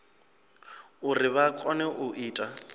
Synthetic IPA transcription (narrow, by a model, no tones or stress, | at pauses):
ʊrɪβakʼɔnɛʔʊʔiːtʼa